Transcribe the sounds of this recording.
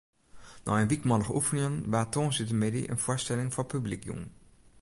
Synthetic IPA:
nɔ̰ənʋikmɑləχəʔufənɪŋənʋaːtɔsɪtəmedḭʔə̰nv̥ʊːɹstɛlɪŋvʊːɹpyblikjṵŋ

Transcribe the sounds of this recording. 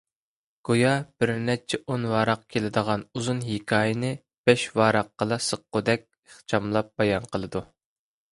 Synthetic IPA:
ɡ̥ojɑb̥ɪɾnɛt͡ʃʰɛʔonwɑːɾɑq̚kʲʰelɪd̪əʁɑnuzunɦikʲʰɑːjɪnɨ | b̥ɛʃwɑːɾɑqːəlˠɑsəqːod̪ɛk̚ʲ | əχt͡ʃʰɑmlˠɑp̚bɑjɑnqəlˠɨd̪u

